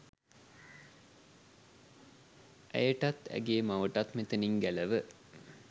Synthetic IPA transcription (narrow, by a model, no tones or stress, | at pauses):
ʔæ̰jəʈat̪æ̰ɡeːmaʋəʈat̪met̪əniŋɡæləʋə